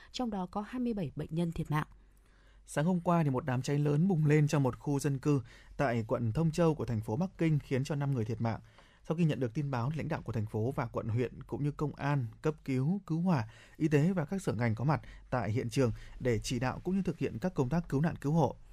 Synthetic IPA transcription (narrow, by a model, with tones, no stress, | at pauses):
t͡ɕɔ˧wŋ͡mɗɔ˨˦kɔ˨˦haː˧jmɨ˧əjɓə˧˩jɓə̰˧˨jŋ̟ɲə˧nt̪ʰi˨˩ət̚ma̰ː˧˨ʔ | saː˨˦ŋho˧mkwaː˧t̪ʰi˨˩mo˨˩t̚ɗaː˨˩mt͡ɕa˨˦jŋləː˨˦nɓʊ˨˩ŋ͡mle˧nt͡ɕɔ˧wŋ͡mmo˨˩t̚xu˧zə˧nkɨ˧t̪a̰ː˧˨jkwə̰˧˨nt̪ʰə˧wŋ͡mt͡ɕə˧wku˧˩t̪ʰjŋ̟fo˨˦ɓa˦˥kːï˧ŋ̟xi˨˦ənt͡ɕɔ˧na˧mŋɨ˨˩əjt̪ʰi˩tma̰ː˧˨ŋ | sa˧wxi˧ɲə̰˧˨nɗɨ˨˩ək̚t̪i˧nɓaː˨˦wla̰˧˥ŋ̟ɗa̰ː˧˨wku˧˩ə˩t̪ʰa˨˩ŋ̟fo˨˦vaː˨˩kwə̰˧˨nɦwḭ˧˨ənkʊ̰˧˥ŋ͡mɲɨ˧kə˧wŋ͡mʔaː˧nkə˦˥p̚ki˨˦wkɨ˨˦whwaː˧˩ | ʔi˧t̪e˨˦vaː˨˩kaː˦˥k̚səː˧˩ŋa˨˩jŋ̟kɔ˨˦ma˨˩t̚t̪a̰ː˧˨jɦḭ˧˨ənt͡ɕɨ˨˩əŋɗe˧˩t͡ɕi˧˩ɗa̰ː˧˨wkʊ̰˧˥ŋ͡mɲɨ˧t̪ʰɨ˨˩k̚hḭ˧˨ənkaː˦˥kːə˧wŋ͡mt̪aː˦˥kːɨ˨˦wna̰ː˧˨nkɨ˨˦who̰˧˨